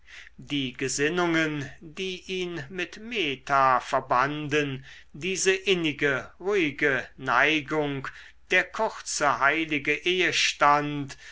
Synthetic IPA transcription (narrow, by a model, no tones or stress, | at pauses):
d̥iːɡəzɪnʊŋəndiːʔiːnmɪtmeːtafɛɐbandən | diːzəʔɪnɪɡəʁuːɪɡənaɪɡʊŋk | d̥eːɐkʰʊʁt͡səhaɪlɪɡəʔeːəʃtant